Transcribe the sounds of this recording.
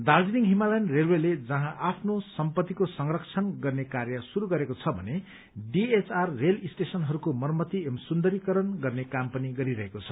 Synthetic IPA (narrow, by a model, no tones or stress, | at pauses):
d̪ard͡ziniŋɦimalajnrelweled͡zʌɦãʔapʰnosʌmpʌt̪ːikosʌŋrʌkt͡sʰʌnɡʌrnekarjʌsuɾuɡʌɾekot͡sʰʌbʱʌ̰ne | ɖiet͡sʰarːelisʈesʌnɦʌɾukomʌrmʌt̪iemsund̪ʌɾikʌɾʌnɡʌrnekampʌniɡʌɾiɾʌɦekot͡sʰʌ̥